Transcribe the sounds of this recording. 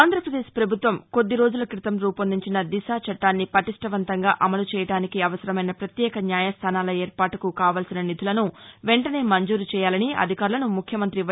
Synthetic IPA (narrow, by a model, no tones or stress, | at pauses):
aːnd̪ʱɾɐpɾɐd̪eːʃpɾɐbʱut̪ʋɐmko̞d̪ːiɾo̞ːd͡ʒulɐkɾit̪ɐmɾuːpɐnd̪iɲt͡ʃinɐd̪iʃaːt͡ʃɐʈːaːnːipɐʈiʂʈɐʋɐnt̪ɐŋɡaːʔɐmɐlut͡ʃɛːjɐɽaːnikiɐʋɐsɐɾɐmɐjnɐpɾɐt̪jɛːkɐnjaːjɐst̪ʰaːnaːlɐeːɾpaːʈukukaːʋaːlsinɐnit̪ulɐnuʋeɳʈɐne̞ːmɐɲd͡ʒuːɾut͡ʃɛːjaːlɐniɐ̰d̪ʱikaːɾulɐnumukʰjɐmɐnt̪ɾiɐ